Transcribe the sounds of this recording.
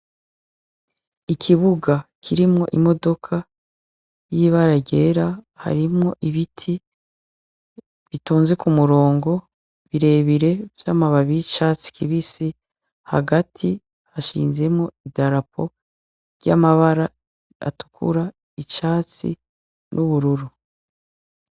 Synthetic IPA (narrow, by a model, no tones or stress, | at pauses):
ikʰiβuɡakʰiɾimŋo̞̰ʔimo̞do̞kʰa | jiβaɾaɟe̞ːɾaha̰ɾimŋo̞ʔiβitʰi | βituːnze̞kumuɾo̞ːŋɡo̞ | βiɾe̞βiɾe̞vjamaβaβijit͡ʃaːt͡si̥kiβisi | ha̰ɡatʰi | haʃḭːnze̞mŋo̞idaɾapʰo̞̰ | ɾɟa̰maβaɾa | a̰tu̥kʰṵɾa | it͡ʃaːt͡sḭ | nʔuβuɾuɾu